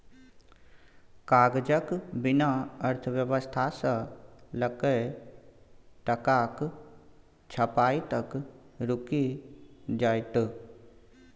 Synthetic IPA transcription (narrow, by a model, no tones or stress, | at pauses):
kaːɡd͡ʒəkbɪnaəɾt̪ʰəwjəʋəst̪ʰasələkə | ʈəkaːk | t͡ʃʰəpaːit̪əkɾʊki | d͡ʒaːt̪